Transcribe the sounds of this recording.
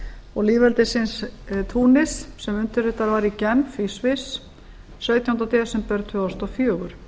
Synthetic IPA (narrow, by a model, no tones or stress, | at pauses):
ɔɣliːvɛlt̪ɪsɪnst̪ʰuːnɪssɛmʏnt̪ʏɾɪt̪aɾvaɾicɛmfisvɪs | sœɥt̪jahʏnt̪at̪ʰɛːsɛmpɛɾt̪ʰːʏast̪ɔfjœːɣʏɾ̥